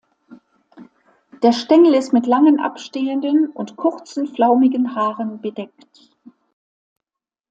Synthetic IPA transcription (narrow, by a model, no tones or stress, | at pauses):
d̥eːɐʃtɛŋl̩ɪstmɪtlaŋənʔa̰pʃteːəndənʔʊntkʰʊʁt͡sn̩flaʊmɪɡənhaːʁənbədɛkt